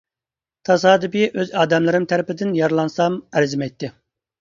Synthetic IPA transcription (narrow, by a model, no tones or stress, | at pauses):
t̪ʰɑsɑːd̪ɨpiʔøzɑːd̪ɛmlˠɨɾɪmt̪ʰæɾɪpɪd̪ɪnjɑɾlˠɑnsɑmæɾzɪmɛjt̪ʰːɪ